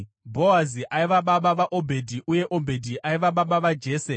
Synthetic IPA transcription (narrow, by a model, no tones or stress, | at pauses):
bʱo̞aziʔaiʋaɓaɓaʋaʔobʱe̞dʱiʔuje̞ʔo̞bʱe̞dʱiʔaiʋaɓaɓaʋad͡ʒe̞ːse